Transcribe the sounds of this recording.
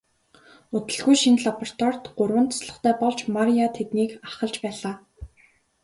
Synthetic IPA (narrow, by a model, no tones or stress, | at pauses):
ʊt̪ɘ̆ɮɣujʃinɮapɔr̥t̪ʰwar̥t̪ɢʊrwə̆nt̪ʰasɮə̆χt̪ʰæːpɔɮt͡ɕmaɾijat̪ʰet̪niːkaχə̆ɮt͡ɕpæːɮaː